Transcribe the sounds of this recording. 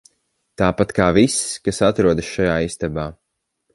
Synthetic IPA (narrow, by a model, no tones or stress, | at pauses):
t̪aːpat̪kaːvisskasat̪ɾuɔd̪sʃajaːist̪abaː